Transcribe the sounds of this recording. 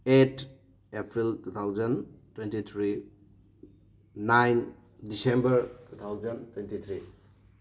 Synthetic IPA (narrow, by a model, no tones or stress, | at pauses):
etʰ | epʰɾiltut̪ʰawzəntwentit̪ʰɾi | najn | disembəɾtut̪ʰawzɐntwentit̪ʰɾi